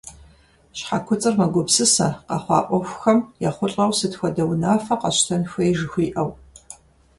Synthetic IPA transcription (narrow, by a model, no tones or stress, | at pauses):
ɕħakʷʰʊt͡sʼɨrmɐɡʷʊpsɨsɐ̰qɐχʷɑ̰ːʔʷʼɔxʷxɐmjaχʷʊɬʼɐwsɨtxʷɔdɐwnaːfɐqɐɕtʰɐnxʷejʒɨxʷiːʔɐw